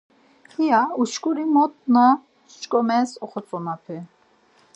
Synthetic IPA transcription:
hijauʃkʼuɾimɔt̪̚ʼna | t͡ʃkʼɔmɛsɔχɔt͡sʼɔnapʰɛ

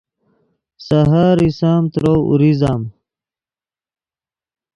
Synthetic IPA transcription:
sɐɦaɾisaːmt̪ɾoṵɾizaːm

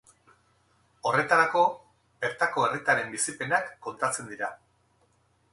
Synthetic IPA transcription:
o̞re̞t̪aɾako̞ | be̞ɾt̪ako̞erit̪aɾe̞mbisipe̞nakːo̞nt̪at͡se̞nd̪iɾa

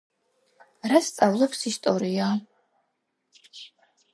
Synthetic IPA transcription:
ɾast̪sʼavlˠɛpsist̪ʼɔɾia

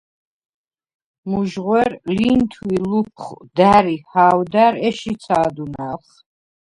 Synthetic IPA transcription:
muʒʁwɛɾlint̪ʰwilup̚ʰχd̪æɾihaːwd̪aɾɛʃit̪sʰaːd̪unaχ

